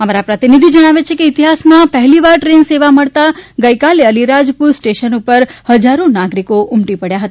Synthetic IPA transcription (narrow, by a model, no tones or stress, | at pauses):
əmaɾapɾət̪inid̪ʱid͡ʒəɽ̃aʋet͡ʃʰekeit̪iɦasmãpəɦliʋaɾʈɾenseʋaməɭt̪aɡəikaleəliɾad͡ʒpuɾsʈeʃənupəɾhəd͡ʒaɾonaɡɾikoʊmʈipəɽjaɦət̪a